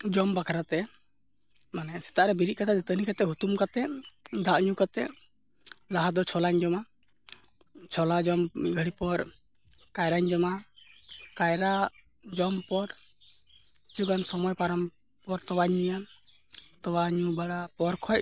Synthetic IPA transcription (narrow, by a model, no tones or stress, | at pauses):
d͡ʒɔmbakʰaɾat̪ɛ | manɛsɛ̥t̪aʔɾɛbiɾiʔ̚kat̪ʰad͡ʒɛt̪ənikat̪ɛɦut̪umkat̪ɛʔd̪aʔɲukat̪ɛʔ | laɦad̪ɔt͡ʃʰɔlaɲd͡ʒɔma | t͡ʃʰɔlad͡ʒɔmmiɡʱəɽipɔɾ | kajɾaɲd͡ʒɔma | kajɾa | d͡ʒɔmpɔɾ | t͡ʃuɡansɔmɔjpaɾɔm | pɔɾt̪ɔwaɲija | t̪ɔwaɲubaɽapɔɾkʰɔjc̚